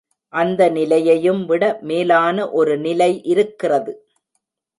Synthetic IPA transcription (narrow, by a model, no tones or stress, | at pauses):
ʔɐnd̪ɐnɪlɐjɐjɯmʋɪɽɐmeːlaːnɐʔɔɾɯnɪlɐɪʔɪɾɯkːɪrɐðɯ